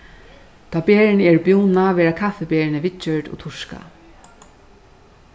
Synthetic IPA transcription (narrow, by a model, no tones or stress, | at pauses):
t̪ʰaːbeːɹɪnɪɛɹbjuːnaʋɛːɹakʰafɛbeːɹɪnɪʋɪt͡ʃœɹdɔ̰t̪ʰʊʂka̰